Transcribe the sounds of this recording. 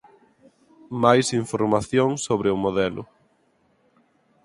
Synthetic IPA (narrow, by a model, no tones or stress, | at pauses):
majsiɱfoɾmaθjoŋsoβɾɪʊmoðɛlʊ̰